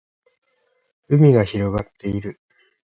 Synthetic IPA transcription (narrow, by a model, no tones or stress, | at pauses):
ɯ̟mʲiɡaçiɾo̞ɡat̪ːe̞iɾɯ̟